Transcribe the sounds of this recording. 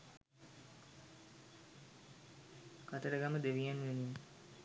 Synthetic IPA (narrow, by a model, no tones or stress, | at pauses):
kat̪əɾəɡaməd̪eʋijanuʋenim